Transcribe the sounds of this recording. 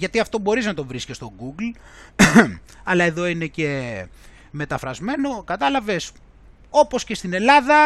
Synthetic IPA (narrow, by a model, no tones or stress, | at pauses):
ʝɐt̪iɐft̪o̞bo̞ɾiznɐt̪ovɾiscist̪o̞ɡuɡl | ɐlɐe̞ðo̞ine̞ce̞ | me̞t̪ɐfɾɐzme̞no̞kɐt̪ɐlɐve̞s | o̞po̞sce̞st̪ine̞lɐðɐ